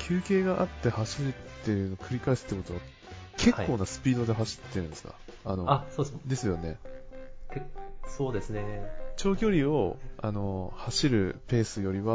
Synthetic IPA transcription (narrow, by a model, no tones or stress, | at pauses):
kʲʰɨːke̞ːɡaʔat̪ːe̞haɕiɾɯ̟tt̪ːe̞jɯ̟nokʰɯ̟ɾʲikaisɨ̥t̪ːeko̞t̪o̞βa | kʰe̞kːo̞ːnasɨ̥pʲiːd̪o̞d̪e̞ɦaɕi̥t̪ːeɾɯ̟̃nd̪esɨ̥ka̰ | ano̞asoːd̪e̞sɨjo̞ne̞ | kesoːd̪e̞sɨnet͡ɕo̞ːɡʲo̞ɾʲio̞ano̞haɕiɾɯ̟pe̞ːsɨjo̞ɾʲiβa